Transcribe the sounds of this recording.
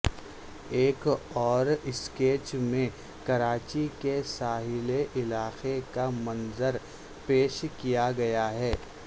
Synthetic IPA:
eːkɔːɾɪskeːt͡ʃmẽ | kɐɾaːt͡ʃikesaːɦɪleʔɪlaːxekamɐnzəɾ | peːʃkijaɡɐjaɦɛː

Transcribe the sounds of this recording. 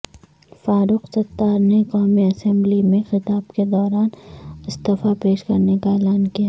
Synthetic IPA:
faːɾʊqsɐt̪ːaːɾneqaːmiɐsɛ̃mblimẽxɪt̪aːbked̪ɔːɾaːnɪst̪ɪfapeːʃkɐɾnekaelaːnkija

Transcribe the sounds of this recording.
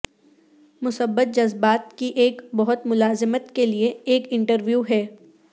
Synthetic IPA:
mʊsəbːət̪̚d͡ʒɐzbaːt̪kiʔeːkbɐɦʊt̪mʊlaːzɪmət̪kelieeːkɪ̃ɳʈəɾʋjuːɦɛː

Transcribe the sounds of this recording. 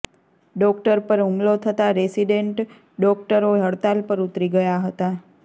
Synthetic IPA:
ɖɔkʈəɾpəɾũŋɡlot̪ʰət̪aɾesiɖeɳʈ | ɖɔk̚ʈəɾoɦəɽt̪alpəɾut̪ɾiɡəjaɦət̪a

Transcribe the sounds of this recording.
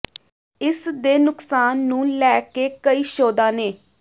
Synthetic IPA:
ɪsd̪eːnʊksaːnːũːlɛːkeːkəiːʃoːd̪ãːneː

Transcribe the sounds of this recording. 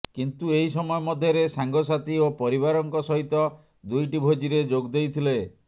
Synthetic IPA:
kint̪ueɦisɔmɔɔmɔd̪ʱjɔɾesaŋɡɔsat̪iopɔɾiβaɾɔŋkɔsɔɦit̪ɔ | d̪ujʈibʱod͡ʒiɾed͡ʒoɡd̪ejt̪ʰile

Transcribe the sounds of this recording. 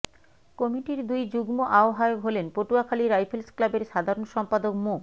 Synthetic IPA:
kɔmiʈiɾd̪ujd͡ʑuɡmoʔaoɦaeoɦolenpoʈuakʰaliɾajpʰelsklabeɾʃad̪ʱaɾonʃɔmpad̪okmo

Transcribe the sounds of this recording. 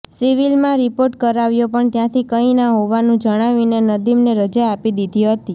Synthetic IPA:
siʋilmãɾipoɾʈkəɾaʋjopəɳt̪jãt̪ʰikəinaɦoʋanũd͡ʒəɽ̃aʋinenəd̪imneɾəd͡ʒaːpid̪id̪ʱiɦət̪i

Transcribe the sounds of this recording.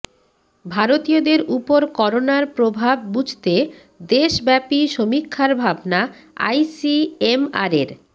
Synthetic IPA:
bʱaɾot̪iod̪eɾupoɾkɔɾonaɾpɾobʱabːud͡ʑʱt̪e | d̪eʃbɛpiʃomikʰːaɾbʱabna | a̰jsiema̰ɾeɾ

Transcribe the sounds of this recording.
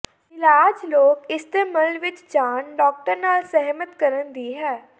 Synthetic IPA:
ɪlaːd͡ʒloːkɪst̪eːməlʋɪt͡ʃd͡ʒaːnɖɔːk̚ʈəɾnaːlsəɦmət̪kəɾənd̪iːɦɛː

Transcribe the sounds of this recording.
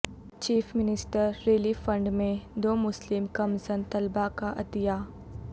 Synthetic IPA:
t͡ʃiːfʰmɪnɪsʈəɾːeːlifə̃ɳɖmẽd̪oːmʊslɪmkɐmsənt̪ɐlbakaʔɐd̪ijaː

